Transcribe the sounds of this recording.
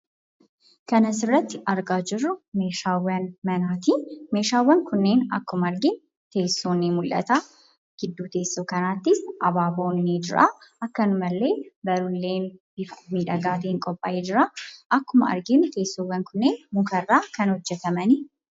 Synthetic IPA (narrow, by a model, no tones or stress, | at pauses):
kɐnɐsɪrːɐt̪ːɪʔɐɾɡaːd͡ʒɪrːʊme̞ːʃaːwːɐnmɐnaːt̪iːmeːʃaːwːɐŋkʊnːe̞ːnɐ̰kːʊmɐɐɾɡɪn | t̪e̞ːsːoːnːemʊlʔɐ̰t̪aː | ɡ̥ɪd̪ːuːt̪e̞ːsːoːkɐnaːt̪ːɪsɐbaːbo̞ːnːeːd͡ʒɪɾa̰ːʔɐkːɐnʊmɐlːe̞ːbɐɾʊlːe̞ːnbɪfmiːᶑɐɡaːt̪ɛɪŋkʼɔpʼːa̰ːʔeːd͡ʒɪɾaʔɐkːʊmɐ̰ɐ̰ɾɡɪnt̪e̞ːsːowɐŋkʊnːeːnmʊkɐrːaːkɐnhɔd͡ʒːɛt̪ɐmɐnɪ